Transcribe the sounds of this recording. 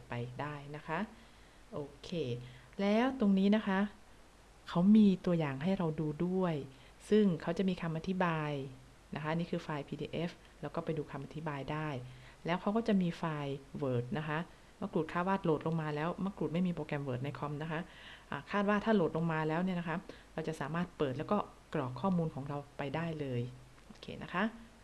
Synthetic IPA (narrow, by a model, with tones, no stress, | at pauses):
t̚pa˧jdaː˥˩jna˦˥kʰa˦˥ʔ | ʔoː˧˩kʰeː˧ | lɛː˦˥wt̪o˧ŋniː˦˥na˦˥kʰa˦˥ʔ | kʰa˦˥wmiː˧t̪u˧ɐjaː˨˩ŋɦa˥˩jɾa˧wduː˧du˥˩əj | sɯ˥˩ŋkʰa˦˥wt͡ɕa˨˩ʔmiː˧kʰa˧mʔa˧t̪ʰi˦˥baː˧j | na˦˥kʰa˦˥ʔniː˦˥kʰɯː˧faː˧jpʰiː˧dḭː˧ʔe˦˥f | lɛː˦˥wkɔː˥˩pa˧jduː˧kʰa˧mʔa˧t̪ʰi˦˥baː˧jdaː˥˩jlɛː˦˥wkʰa˦˥wkɔː˥˩t͡ɕa˨˩ʔmiː˧faː˧jwɤː˨˩t̪̚na˦˥kʰa˦˥ʔ | ma˦˥kɾuː˨˩t̪̚kʰaː˥˩waː˥˩t̪̚loː˨˩t̪̚lo˧ŋmaː˧lɛː˦˥wma˦˥kɾu˨˩t̪̚ma˥˩jmiː˧pɾoː˧kɛ˧mwɤː˨˩t̪̚na˧jkʰɔ˧mna˦˥kʰa˦˥ʔ | ʔaː˨˩kʰaː˥˩t̪̚waː˥˩t̪ʰaː˥˩loː˨˩t̪̚lo˧ŋmaː˧lɛː˦˥wni˥˩ɐna˦˥kʰa˦˥ʔ | ɾa˧wt͡ɕa˨˩ʔsaː˩˦maː˥˩t̪̚pɤː˨˩lɛː˦˥wkɔː˥˩ | klɔː˨˩kʰːɔː˥˩muː˧nkʰɔː˩˦ŋɾa˧wpa˧jdaː˥˩jlɤː˧j | ʔoː˨˩kʰḛː˧˩nʔa˦˥kʰa˦˥ʔ